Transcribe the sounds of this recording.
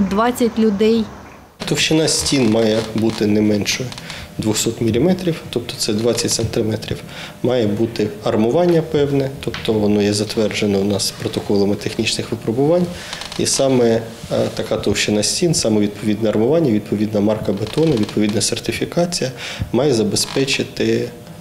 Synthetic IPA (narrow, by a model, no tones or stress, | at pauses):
d̪ʋɑt͡sʲːɐtʲlʲʊd̪ɛj | t̪ɔwʃt͡ʃɪnɑsʲtʲinmɑjɛbut̪ɪnɛmɛnʃɔjɛd̪ʋʊxsɔt̪mʲilʲimɛt̪ɾʲiwt̪ɔp̚t̪ɔ̥t̪sɛd̪ʋɑt͡sʲːɐtʲsɐnt̪ɪmɛt̪ɾʲḭw | mɑjɛbut̪ɪɐrmʊʋɑnʲːɐpɛwnɛt̪ɔpt̪ɔʋɔnɔjɛzɐt̪ʋɛrd͡ʒenɔwnɑspɾɔt̪ɔkɔlˠɐmɪt̪exnʲit͡ʃnɪxʋɪpɾɔbʊʋɑnʲḭsɑmɛ | t̪ɐkɑt̪ɔwʃt͡ʃɪnɑsʲtʲinsɑmɛʋʲid̪̚pʰɔʋʲid̪nɛɐrmʊʋɑnʲːɐʋʲid̪̚pɔʋʲid̪nɐmɑrkɐbet̪ɔnɐʋʲid̪̚pʰɔʋʲid̪nɐsert̪ɪfʲikɑt͡sʲijɐmɑjɛzɐbespɛt͡ʃɪt̪ɪ